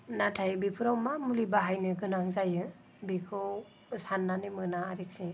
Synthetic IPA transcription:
natʰajbipʰɯɾawmamulibaɦajnɯɡɯnaŋzajɯ | bikʰɯw | sanːanimɯnaːɾik̚si

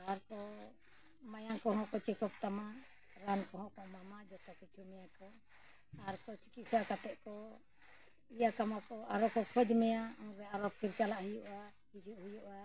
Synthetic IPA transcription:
aɾkɔ | majakɔɦɔ̃kɔt͡ʃɛkɔp̚t̪ama | ɾankɔɦɔ̃kɔmamad͡ʒɔt̪ɔkit͡ʃʰumɛjakɔ | aɾkɔt͡ʃi̥kisakat̪ɛʔkɔ | ijakamakɔaɾɔkɔkʰɔd͡ʒmɛjaɔŋɾɛaɾɔpʰiɾt͡ʃalaʔhujuʔa | hid͡ʒuʔɦujuʔa

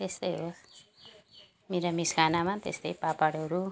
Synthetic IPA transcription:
t̪est̪ʌjɦos | meɾamiskʰanamat̪ḛst̪ʌjpapaɽʌɾu

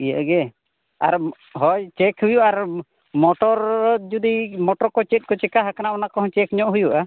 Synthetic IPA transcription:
ijaʔɡɛ | a̰ɾ | ɦɔjt͡ʃɛkhujuʔaɾ | mɔʈɔɾd͡ʒud̪imɔʈɔɾkɔt͡ʃɛt̪̚ˀkɔt͡ʃɛkaɦakanaʔɔnakɔɦɔ̃t͡ʃɛkɲɔʔɦujuʔa

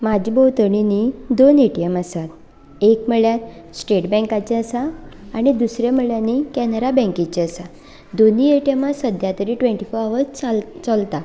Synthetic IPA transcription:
mad͡ʑibəwt̪əɳinid̪oneʈijəmasat̪ | ekm̤əɭjat̪̚sʈeʈbɛ̃ŋkat͡ɕiəsaːɽ̃id̪usɾjam̤əɭjanikɛnəɾabɛ̃ŋkit͡ɕiəsa | d̪onieʈijəmasəd̪ʱjat̪əɾiʈʋẽɳʈifoɾaʋəst͡səlt̪a

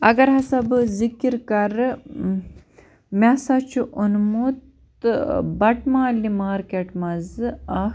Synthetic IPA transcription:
ɐɡɐɾɦɐsɐbzikiɾkɐɾ | masɐt͡ʃʰuʔunmut̪ | bɐʈmaːlimaːɾkeʈmɐzɐ

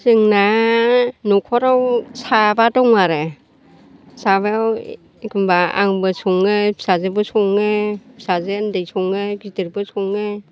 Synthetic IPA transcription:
sɯŋna | nɔkʰɔɾawsabadɔŋaɾɯ | saba | kɯmbaa̰ŋbɯsɔŋɯpʰi̥sazɯbɯsɔŋːɯpʰi̥sazendɯjsɔŋɯɡitɯɾbɯsɔŋːɯ

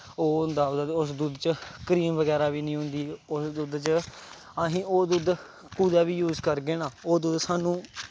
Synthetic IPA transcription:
oːnd̪aːd̪d̪ʊsd̪ud̪t͡ʃəkəɾiːmʋəɡɛːɾaːʋiːnĩːɦʊ̃nd̪iːʊsd̪ʊd̪t͡ʃə | aɦĩːoːd̪ʊd̪ | kuːd̪aːʋiːjuːzkəɾɡeːnãːoːd̪ʊd̪saːnũː

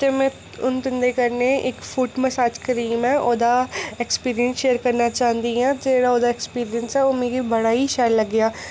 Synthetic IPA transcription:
t̪emɛ̃ː | ʊnt̪ɪnd̪eːkəɾneːʔɪkfʰʊʈməsaːd͡ʒkəɾiːmɛ̃ːʔoːd̪aːɛkspiːɾijənsʃeːəɾkəɾnaːt͡ʃaːɦənd̪iãːd͡ʒeːɽaːoːd̪aːɛkspiːɾɪjənsɛːoːmẽːɡibəɽaːiːʃɛːɾləɡːɪjaː

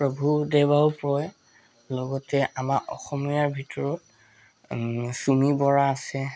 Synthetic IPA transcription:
pɹobʱudebaupɹɔj | lɔɡɔtɛʔamakɔ̰xɔmijaɹbʱitɔɹɔt̚ | sumibɔɹaːsɛ

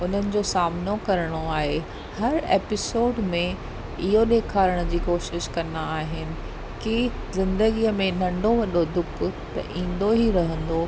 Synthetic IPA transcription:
ʊn̤ənɪ̆d͡ʑoːsaːmnokɐɾəɽ̃oaːɦe | hɐɾeːpɪsoːɖmẽ | ɪɦoɗeːkʰaːɾəɽ̃ʊd͡ʑiːkoːʃɪʃkɐnaaːɦɪnɪ̆ | kizɪ̃nd̪əɡiəmẽnɐ̃ɳɖʱoʋɐɗod̪ʊkʊt̪ɐ̰ʔĩːn̆d̪oɦiɾɐɦə̃nd̪o

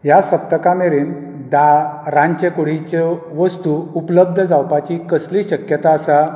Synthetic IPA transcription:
jasəp̚t̪əkameɾiːn | d̪aɾãɲt͡ɕekoɽ̤it͡ɕe | ʋəst̪uupləb̚d̪ʱəd͡zawpat͡ɕikəsliːɕəkjət̪aəsa

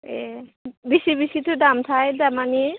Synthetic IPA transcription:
ebiʃibiʃit̪ʰudamt̪ʰajdamani

